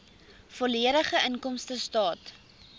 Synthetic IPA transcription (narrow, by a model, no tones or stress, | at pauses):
fɔliəɾəχəʔənkɔmstəstɑːt